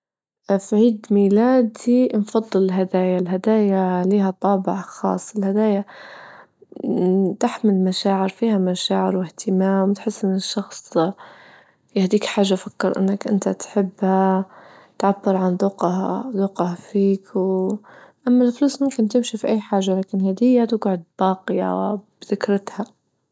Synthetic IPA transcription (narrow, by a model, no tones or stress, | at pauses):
fʕiːd̪miːlaːd̪infɑd̪ˤːɨlɪlɦad̪aːjalɦad̪aːjaliːɦat̪ˤɑːbɪʕxɑ̰ːsˤːɪlhad̪aːja | t̪ɪħmɪlmaʃaːʕɪɾfiːhamaʃaːʕɪɾwɪht̪ɪmaːmwt̪ħɪsːʔɪnːɪʃːɑxsˤ | jɪhd̪iːkħaːʒːafakːɪɾˤʔɪ̰nːakʔɪ̰nt̪at̪ħɪbːha | t̪ʕabːɪɾʕand̪ˤʊqhad̪ˤʊqɑhfiːkw | ʔamːalfluːsmʊmkɪnt̪ɪmʃifiʔajːħaːʒːalaːkɪnhad̪ɪjːat̪ʊɡʕʊd̪̚bɑːqɪja̰wɪ̰bθɪkɾɪt̪ha